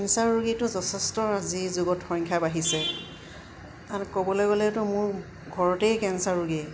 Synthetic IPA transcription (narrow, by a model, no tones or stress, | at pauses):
kɛnsaɹɹuɡetʊzɔtʰɛstɔazizʊɡɔtxɔjŋkʰabaɦisɛ | aɹkobɔlɔjɡolɛtʊmʊɹ | ɡʱɔɹɔtejkɛnsaɹuɡe